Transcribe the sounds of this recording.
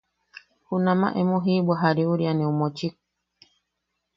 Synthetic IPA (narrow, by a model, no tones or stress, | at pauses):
hunama̰ʔɛmoɦiɓwaɦaɾiuɾjanɛumɔt͡ʃik̚